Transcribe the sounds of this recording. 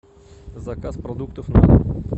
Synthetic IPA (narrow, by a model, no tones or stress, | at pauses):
zɐkaspɾɐd̪ukt̪əfna̰